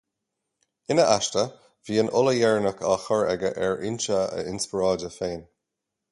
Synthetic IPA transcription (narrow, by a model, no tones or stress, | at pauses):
ɪnəʔaʃtə | viːənʔʊləjɛɹnəkʰaxəɹɛɡə̰ʔɛɹɪnt͡ʃəə̰ɪnspɪɹɑːdəfeːn